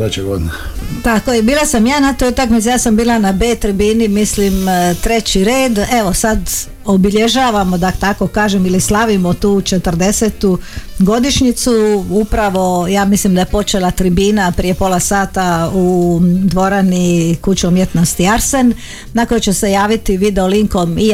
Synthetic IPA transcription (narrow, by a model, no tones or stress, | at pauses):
at͡ʃeɡod̪nat̪akojebiːlˠasamjaːnat̪ojut̪akmit̪sijaːsambiːlˠanabe̞ːt̪ɾibiːnimislimt̪ɾe̞t͡ɕiɾeːd̪e̞ʋo̞sad̪ | obiʎeʒaːʋamo̞d̪at̪ako̞kaːʒemilislˠaʋimot̪uːt͡ʃe̞t̪ər̩d̪e̞set̪uɡo̞d̪iʃɲit̪suupɾaʋo̞jaːmislimd̪ajepo̞t͡ʃelat̪ɾibiːnapɾije̞po̞ːlˠasaːt̪aud̪ʋo̞ɾanikut͡ɕiumjet̪no̞st̪iaɾse̞n | nako̞jet͡ɕese̞jaːʋit̪iʋid̪eoliŋko̞mi